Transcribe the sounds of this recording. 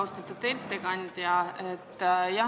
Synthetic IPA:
wst̪ɑt̪ːut̪elt̪ːekɑnʲd̪̥ʲjɑet̪ːˑjɑ

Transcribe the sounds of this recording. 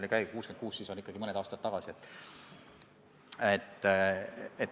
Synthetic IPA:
likæjkuːsken̥̚kuːssiːsonikːɑɡ̥imɤne̞d̪ɑːst̪ɑt̪t̪ːɑɡ̥ɑsiet̪ːˑ | et̪ːˑ | et̪

